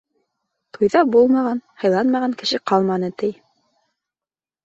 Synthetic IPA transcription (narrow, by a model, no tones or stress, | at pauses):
t̪ujðɑbulˠmɑʁɑnhɤ̆jlˠɑnmɑʁɑŋkɘ̆ʃɘqɑlˠmɑnɤt̪ɘj